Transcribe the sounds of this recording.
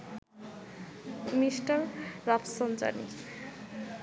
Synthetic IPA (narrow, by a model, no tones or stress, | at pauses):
misʈʌrːʌpʰsʌnt͡sʌ̰ni